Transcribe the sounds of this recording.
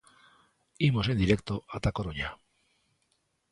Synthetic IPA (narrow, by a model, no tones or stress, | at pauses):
imo̞se̞nd̪iɾek̚t̪oʔat̪akoɾoɲa